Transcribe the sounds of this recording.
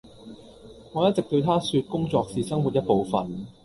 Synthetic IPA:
ŋɔː˨˧jɐ˥t̚t͡sɪ˨k̚t̪ɵ˧ɥt̪ʰaː˥syː˧t̚kʊ˥ŋt͡sɔː˧k̚siː˨sɐ˥ŋwu˨t̚jɐ˥t̚po˨˧wfɐ̰˨n

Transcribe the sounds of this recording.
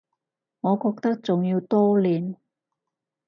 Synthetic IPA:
ŋɔː˨˧kɔː˧k̚t̪ɐ˥k̚t͡sʊ˨ŋjiː˧wt̪ɔː˥liː˨˧n

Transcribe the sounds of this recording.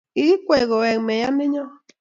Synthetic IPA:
i˦i˦kʷe˨ɣo˨e˨ŋ˨me˨ja˦me˦ɲɔ˦

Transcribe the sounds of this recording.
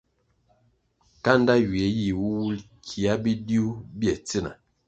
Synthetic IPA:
ka˦n˦da˦wi˨e˨˦ji˦˨wu˦wu˦l | kʰi˨a˦bi˦di˦u˦bi˦ɛ˨t͡si˦na̰˨

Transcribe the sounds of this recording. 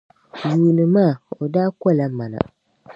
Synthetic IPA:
ɲi˨nɨ˨maː˦˨o˨daː˦kɔ˦˨la˦ma˨na̰˨

